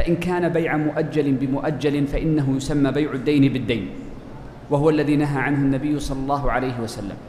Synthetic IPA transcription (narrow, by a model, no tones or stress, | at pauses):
faʔɪnkaːnabajʕamʊʔad͡ʒːalɪnbɪmʊʔad͡ʒːalɪnfaʔɪnːaɦʊjʊsamːaːbajʕʊd̪ːajnɪbɪd̪ːajn | waɦʊwalːaðiːnaɦaːʕanhʊnːabɪjːʊsˤɑlːɑlˤːɑːɦʊʕalajɦɪwasalːa̰m